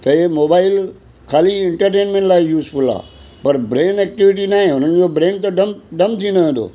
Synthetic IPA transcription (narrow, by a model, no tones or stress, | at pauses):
t̪ɐemoːbaːɪl | kʰaːliɪ̃ɳʈəɾʈeːnmẽɳʈlaːɪjuːzfʊla̰ː | pɐɾbɾẽːnɛːk̚ʈɪʋɪʈ̬inaːɦẽʊn̤ənɪ̆d͡ʑobɾẽːnt̪ɐɖɐmɖɐmt̪ʰĩnəʋẽnd̪o̰ː